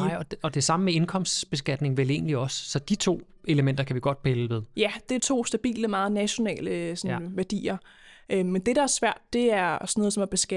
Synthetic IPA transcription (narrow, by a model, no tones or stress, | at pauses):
ɪ̰ɒɒ̽d̥e̝sɑ̈məmee̝nkʰɒ̽m̰sd̥b̥e̝sɡ̥æd̥ne̝ŋʋele̝̰ːnliɒ̽sːɒ̽d̥it͡sʰo̝̰ː | e̝ləmen̰d̥ɐkʰæʋiɡ̥ɒ̽d̥̚pʰeləʋe̝ð̞ˠjæd̥et͡sʰo̝̰ːsd̥æb̥ḭːləmɑ̈ːð̞̩ˠnæɕo̝nɛ̰ːləsɒ̽nʋæɐd̥ḭːɐ | ʔømend̥e̝ɾ̥ɑ̈æɐsʋæɐ̰d̥̚ːe̝æɐsɒ̥no̽ːð̩ˠsɒ̽mæb̥e̝sɡ̥æ